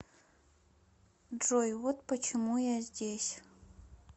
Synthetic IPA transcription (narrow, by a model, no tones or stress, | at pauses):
ʐojvɔt̪pət͡ʃʰɪmujazʲdʲesʲ